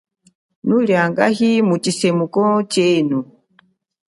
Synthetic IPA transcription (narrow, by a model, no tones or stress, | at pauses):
nuljaŋɡa̰ɦimut͡ʃisɛmukɔt͡ʃɛnu